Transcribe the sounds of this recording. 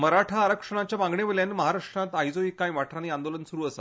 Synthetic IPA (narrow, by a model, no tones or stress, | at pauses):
məɾaʈʰaːɾəkʂəɽ̃at͡ɕjaʋãŋɡɳeʋeljanməɦaɾakʂʈɾãt̪ajd͡zoikãĩʋaʈʰɾaniːand̪olənsuɾuːəsa